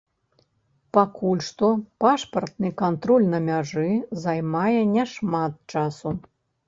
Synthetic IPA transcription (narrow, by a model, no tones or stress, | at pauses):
pakulʲʂt̪ɔpaʂpɐrt̪̚nɨkant̪ɾɔlʲnɐmʲaʐɨzajmajɛnʲɛʂmat̪̚t͡ʂasu